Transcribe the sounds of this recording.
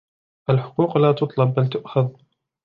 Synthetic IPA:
ʔalħʊ̥quːqlaːt̪ʊt̪ˤlɑb̚ːalt̪ʊʔxað

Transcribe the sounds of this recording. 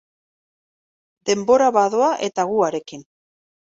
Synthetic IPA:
d̪e̞mbo̞ɾaβaðo̞aʔe̞t̪aɣuaɾe̞kin

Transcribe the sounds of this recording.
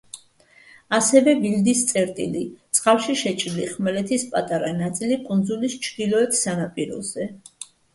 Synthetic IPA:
asɛvɛbild̪ist̪sʼɛɾt̪ʼḭlit̪sʼqʼafʃiʃɛt͡ʃʼɾiliχmɛlɛt̪ʰispʼat̪ʼaɾanat̪sʼilikʼund̪zulist͡ʃʰd̪ilɔɛt̪ʰsanapʼiɾɔ̰zɛ

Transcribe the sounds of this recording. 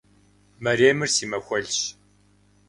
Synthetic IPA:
mɐɾeːmɨrsiːmɐxʷɔɮɕ

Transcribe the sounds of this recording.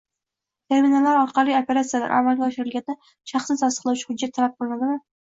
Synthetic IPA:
t̪ʰe̞ɾminalaɾɒɾqʰɑlˠijopʰe̞ɾat̪sijala̰ɾʔa̰malɡʲaɒʃɪɾɪlɡʲand̪a | ʃɑχsnɪsʰɒst̪əqlˠawt͡ʃʰɪ̥hʊd͡ʒːat̪ʰːalap̚qʰɨlˠɪnad̪ɪla

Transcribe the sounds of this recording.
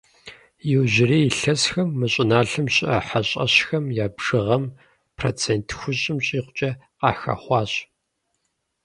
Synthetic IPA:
jɪwʑɪriːjɪɬɐsxɐmːɨɕʼɪnaːɬɨmɕʼɪʔɐħaɕʼɐ̰ɕxɐmjaːbʐ̥ɨʁɐm | pʰro̰ːt͡sʰeːntʰxʷʊɕʼɪmɕʼiːqʷʊt͡ʃʼɐ | qɑ̰ːxɐ̰χʷɑːɕ

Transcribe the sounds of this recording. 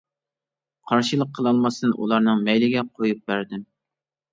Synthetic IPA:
qʰɑɾʃilˠəqʰːəlˠɑlˠmɑsɨd̪ɨnʔṵlˠɑɾnɨŋmɛjlɪɡʲɛqʰojup̚bæɾd̪ɪm

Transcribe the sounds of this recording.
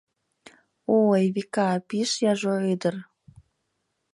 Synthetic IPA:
ojβikɑpiʃjɑʒoød̪ər

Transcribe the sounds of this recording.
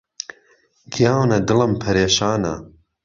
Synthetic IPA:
ɡijaːwnɐd̪ɨlɐmpʰɐɾeːʃaːnɐ̰

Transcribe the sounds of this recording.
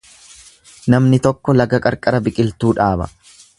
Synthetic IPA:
nɐmnɪt̪ɔkːɔlɐɡɐkʼɐɾkʼɐɾɐbɪkʼɪlt̪uːᶑaːbɐ̰

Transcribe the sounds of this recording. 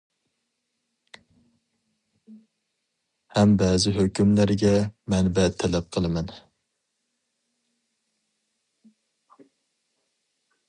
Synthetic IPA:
hɛmbɛzɪɦøkʲymlæɾɡʲɛmɛnbɛt̪ʰːɛlɛp̚qʰəlˠɨmɛn

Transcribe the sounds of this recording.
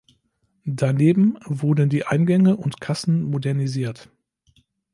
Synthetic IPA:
daneːbm̩vʊɐdn̩diːʔaɪnɡɛŋəʔʊntkʰasn̩modɛɐniziːɐt

